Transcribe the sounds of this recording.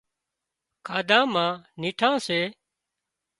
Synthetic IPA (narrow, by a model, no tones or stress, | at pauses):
kʰaːd̪ãːmãːniːʈʰãːseː